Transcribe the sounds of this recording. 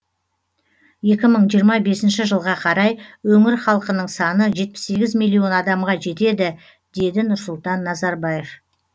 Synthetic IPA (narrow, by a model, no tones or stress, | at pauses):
je̞kʲɪməɴʒijəɾmɑbe̞sɪnʃɪʒəlˠʁɑqʰɑɾɑjwɵŋɪɾχɑlˠqənəɴsɑnəʒe̞t̪̚pɪ̥sːe̞ɡʲɪzmilʲˠːijo̞nɑd̪ɑmʁɑʒe̞t̪e̞d̪ɪ | d̪e̞d̪ɪnʊɾsʊlˠt̪ɑnːɑzɑɾbɑje̞f